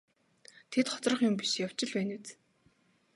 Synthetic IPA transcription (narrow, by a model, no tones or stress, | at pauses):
t̪ʰet̪χɔ̥t͡srə̆χjʊmpiʃjaw̥t͡ɕɪ̆ɮpæːnɘt͡s